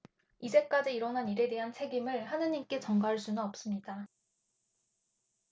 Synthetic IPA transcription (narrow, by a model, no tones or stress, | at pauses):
id͡ʑʰe̞k͈ad͡ʑiiɾʌnɦaniɾe̞de̞ɦant͡ɕʰe̞ɡimɯɭhanɯɲimk͈e̞t͡ɕʌŋɡaɦaɭs͈unɯnʌp̚s͈ɯmɲida